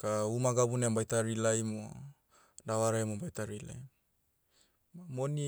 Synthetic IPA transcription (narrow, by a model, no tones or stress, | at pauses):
kaumaɡabunembajtaɾilajmo | dawaɾaemobajtaɾilḛ | amoni